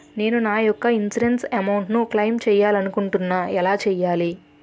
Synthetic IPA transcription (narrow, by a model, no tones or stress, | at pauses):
ne̞ːnunaːjɔkːɐinsiɾensɐmɐwɳʈnuklɐjmt͡ʃɛːjaːlɐnukuɳʈunːaːɛlaːt͡ʃɛːjaːli